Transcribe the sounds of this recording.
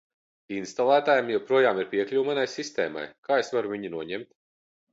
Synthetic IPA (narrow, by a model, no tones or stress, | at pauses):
inst̪alˠæːt̪aːjamjɛwpɾuɔjaːmiɾpʲiɛklʲuwmanajsist̪ḛːma̰jkʰaːesvaɾuvʲiɲinuɔɲɛmt̪